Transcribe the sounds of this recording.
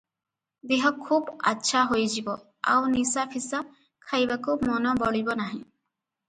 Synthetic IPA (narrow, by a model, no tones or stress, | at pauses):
d̪eɦɔkʰuba̰tːʃʰaɦojd͡ʒibɔ | a̰wnisapʰisa | kʰajbakumɔnɔbɔɽibɔnaɦĩ